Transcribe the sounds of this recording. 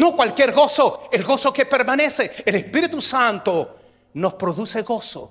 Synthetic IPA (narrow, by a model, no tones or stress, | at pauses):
nokwalkjeɾɣo̞soelɣo̞soke̞pe̞ɾmane̞seelespiɾit̪usant̪o | no̞spɾoðuseɣo̞so̰